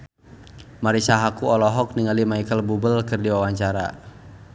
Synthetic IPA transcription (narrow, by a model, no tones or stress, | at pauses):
maɾisaɦakuɔlɔɦɔk̚niŋalimaikəlbubəlkərdiwawaɲt͡ʃaɾa̰